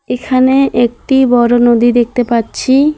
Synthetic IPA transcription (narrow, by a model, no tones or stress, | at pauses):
ekʰaneʔek̚ʈibɔɾonod̪id̪ek̚t̪epatːɕʰi